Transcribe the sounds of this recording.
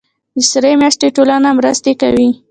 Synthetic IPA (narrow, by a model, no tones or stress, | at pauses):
d̪əsəɾemjɑʂt̪eʈolanamɾəst̪eka̰wi